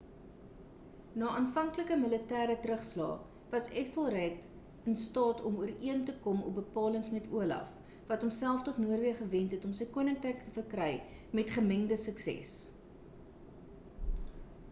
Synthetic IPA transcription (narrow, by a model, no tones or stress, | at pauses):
nɑːʔɑːnfɐŋkləkəmələtæːɾətɾəχslɑ̰ː | vɐsɛkfəlˠrɛt | ənstɑːtɔmuəriəntəkɔmɔ̰p̚bəpɑːləŋsmɛtuəlɐ̰f | vɐtɔmsælˠftɔχnuərviəχəvɛntɦɛtɔmsəjkuənəŋkrəjktəfərkrɛjmɛtχəməŋdəsəksɛ̰s